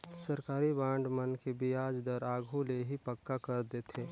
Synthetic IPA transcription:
sɐɾkaːɾibãːɳɖmɐnkebijaːd͡ʒd̪əɾaːɡʱũleɦipɐkːakɐɾd̪et̪ʰeː

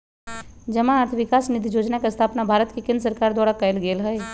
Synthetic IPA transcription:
d͡ʒəmãaːɾt̪ʰʋɪkaːsnid̪ijoːd͡ʒnakaəst̪ʰaːpnabʱaːɾət̪kikẽnd̪ɾsəɾkaːɾd̪waːɽakəjlɡeːlɦɛj

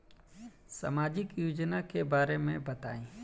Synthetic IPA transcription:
sa̰maːd͡ʒɪkjuːd͡ʒnakebaːɾemẽbɐt̪a̰ːĩː

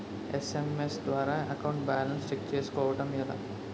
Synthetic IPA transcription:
esemesd̪ʋaːɾaːɐkɐwɳʈbaːlɐnst͡ʃek̚t͡ʃeːsu̥kɔːʋɐʈɐmila̰

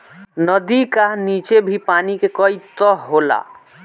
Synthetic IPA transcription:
nəd̪ikanit͡ʃebʱipanikekɔit̪ɔɦɦola̰

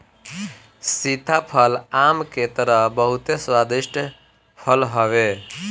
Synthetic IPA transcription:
sit̪apʰəlamket̪əɾəɦbəɦut̪eswad̪isʈ | pʰəlɦəβe

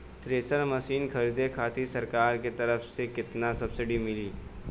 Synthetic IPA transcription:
t̪ɾeːsəɾmɐsiːnkʰɐɾiːd̪ekʰaːt̪isɐɾkaːɾket̪ɐɾəfsekɪt̪nasɐbsɪɖimɪliː

